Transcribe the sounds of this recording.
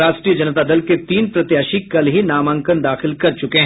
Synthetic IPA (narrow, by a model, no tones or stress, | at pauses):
aːʃʈɾiːəd͡ʒɐnət̪ad̪ɐlket̪iːnpɾɐt̪jaːʃikɐlɦinaːmə̃ŋkənd̪aːxɪlkɐɾt͡ʃʊkeɦ